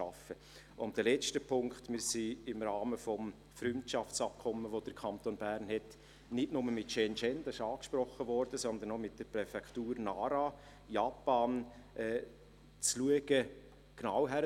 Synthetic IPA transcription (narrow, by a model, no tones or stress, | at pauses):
ɑfə | ʊmd̥əlɛt͡ʃtəpʰʊŋkχtmɪɾsiɪmɾɑːməfɔm | fɾʏntʃɑft͡sɑp̚kʰɔmːəʋod̥əɾkʰɑnt̪onbæɾnhɛt | nɪtnʊməmɪtt͡ʃɛnt͡ʃɛnd̥ɑsɪʃɑːkʃpɾɔχːəvɔɾd̥əsɔnd̪ənɔmɪt̚d̥əɾprɛfɛktuːɾnɑːɾa | jɑpɑːnʔɛː | t͡sluəɡ̥ə | knawɦæɾ